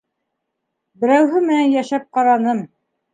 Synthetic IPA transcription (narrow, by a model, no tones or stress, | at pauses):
bɘ̆ɾæwɦɘmɘ̆nænjæʃæp̚qɑɾɑnɤm